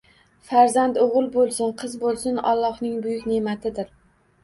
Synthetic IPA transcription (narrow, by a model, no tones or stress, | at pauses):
faɾzand̪oʁɨlˠbolˠsɪnqʰɨzbolˠsʊnɒ̰lˠːɒhnɪŋbʊjʊkʲnemat̪ʰɪd̪ɪɾ